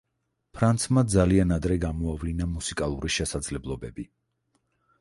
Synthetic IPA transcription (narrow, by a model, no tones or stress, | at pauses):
pʰɾant̪sʰmad̪zalianad̪ɾɛɡamɔavlinamusikʼalˠuɾiʃɛsad̪zlɛblˠɔbɛbi